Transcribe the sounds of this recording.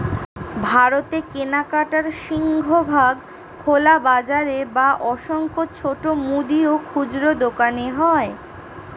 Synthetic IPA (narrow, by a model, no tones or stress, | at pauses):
bʱaɾot̪ekenakaʈaɾʃiŋɡʱobʱaɡ | kʰolabad͡ʑaɾebaʔɔʃoŋkot͡ɕʰoʈomud̪iokʰud͡ʑɾod̪okaneɦɔe